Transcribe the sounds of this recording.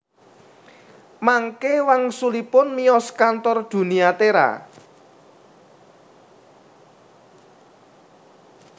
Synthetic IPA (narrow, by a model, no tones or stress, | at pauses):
maŋkewaŋsulipʊnmiɔskant̪ɔrd̪̥ṳniat̪eɾa̰